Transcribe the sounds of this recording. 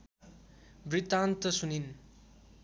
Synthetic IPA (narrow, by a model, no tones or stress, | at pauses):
bɾit̪ant̪ʌsunin